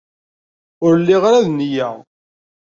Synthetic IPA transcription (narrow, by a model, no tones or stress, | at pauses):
ʊɾlːiʁɾaðnjæ